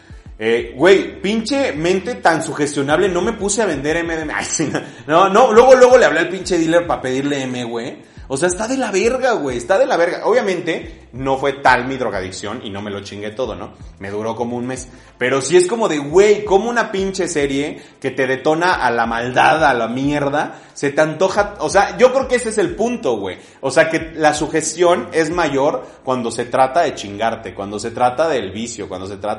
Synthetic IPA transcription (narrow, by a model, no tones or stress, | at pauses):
eɣwe̞jpint͡ʃe̞mẽ̞nt̪e̞t̪ansuxe̞st̪jo̞naβle̞no̞me̞puseaβ̞e̞nd̪e̞ɾemeðema̰jsino | nono̞lwe̞ɣo̞lweɣo̞le̞aβloelpint͡ʃe̞ðileɾpape̞ðiɾleemeɣwe | oseaest̪aðe̞laβe̞ɾɣaɣwe̞jest̪aðe̞laβeɾɣa̰ʔo̞βjamẽnt̪e̞ | no̞fwe̞t̪almiðɾo̞ɣa̰ðḭksjo̞̰nḭno̞me̞lo̞t͡ʃiŋɡe̞t̪o̞ð̞o̞̰no̞̰me̞ð̞uɾo̞ko̞mo̞unme̞s | pe̞ɾo̞sie̞sko̞mo̞ðe̞ɣwejko̞mounapint͡ʃe̞se̞ɾje̞ke̞t̪e̞ðe̞t̪o̞naʔalamald̪aðalamjeɾða | se̞t̪eant̪o̞xaoseaʝo̞kɾeokeesees̬e̞lpunt̪o̞ɣwe̞̰ | oseake̞lasuxe̞st̪jo̞ne̞zmaʝo̞ɾ | kwand̪o̞se̞t̪ɾat̪aðe̞t͡ʃiŋɡaɾt̪ekwand̪o̞se̞t̪ɾat̪aðe̞lβisjokwa̰nd̪o̞se̞t̪ɾa